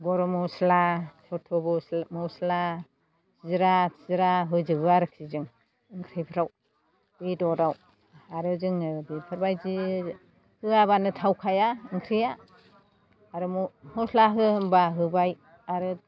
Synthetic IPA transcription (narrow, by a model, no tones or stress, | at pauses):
ɡɔɾɔmɔslasʰɔtʰɔbɔmɔsla | sizɾatʰizɾaɦɯjzɯbɯaɾɯk̚ʰizɯŋ | ɯŋkʰɾijpʰɾaw | bidɔdaw | aɾɯzɯŋɯbipʰɯɾbajzi | hɯaβanɯtʰawkʰajaɯŋkʰɾija | ɾɯmmɔslaɦɯɯmbaɦɯbaj | aɾɯ